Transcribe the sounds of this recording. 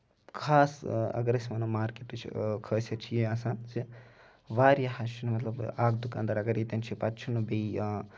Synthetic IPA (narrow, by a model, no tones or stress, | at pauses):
kʰaːsɐ̰ɡɐɾɐsʲimɐnɐmaːɾkeʈɨt͡ʃʰḭkʰəːsʲjɐt͡ʃʰijiasaːnsi | ʋaːɾjɐhɐst͡ʃʰunmɐt̪lɐbaːɡ̚d̪uka̰ːnd̪ɐɾɐɡɐɾjit̪ʲɐnt͡ʃʰipɐt̪t͡ʃʰunubei